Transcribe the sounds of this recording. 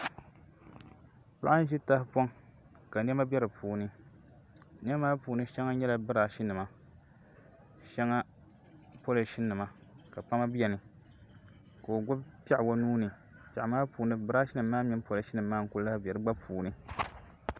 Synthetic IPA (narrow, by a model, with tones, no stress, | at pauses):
pa̰˦ʔa˦n˦ʒi˦ta˦hpɔ˦ŋ | ka˨n˦ɛ˦ma˦bʲɛ˦ɾɨ˨pʰuː˨nɨ˦ | n˦ɛ˦maː˦puː˨nɨ˦ʃɛ˦ŋa˦ɲɛ˦la˨bɨ˦ɾaː˨ʃi˦nɨ˨ma˦ | ʃɛ˦ŋa˦ | po˦lɨ˨ʃi˦nːɨ˨ma˨ka˨pa˦ma˦bjɛ˨nɨ˨ | ka˨o˨ɡʊ˦bpa˦ʔbo˦nuː˦nɨ˨ | pa˨ʔa˨maː˦puː˨nɨ˦bɨ˦ɾa˦ʃi˦nɨ˨mːaː˦mi˦po˦la˨ʃi˦nɨ˨mː˦aː˦ŋ̩˨ku˦la˦hbʲɛ˨ɾɨ˦ɡ͡ba˦pʰuː˨nɨ˦